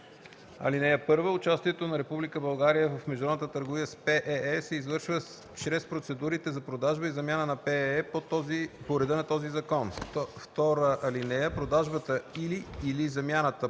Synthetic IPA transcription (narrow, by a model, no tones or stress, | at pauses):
ɐ̰linɛjəpɤɾvəʊt͡ʃast̪iɛt̪onɐɾɛpublikəbɐlˠɡaɾijəvəfmɛʒd̪ɾɔd̪nət̪ət̪əɾɡovijəspɛʔɛɛsɛizvɤɾʃvə | t͡ʃɾɛspɾot̪sɛd̪uɾit̪ɛzɐpɾod̪aʒbəizɐmʲjanənɐpɛɛpot̪zipoɾɛd̪ɤnɐt̪ɔzizɐkɔnft̪ɔɾəʔɐlinɛjəpɾod̪aʒbət̪əiliːlizɐmjanət̪ə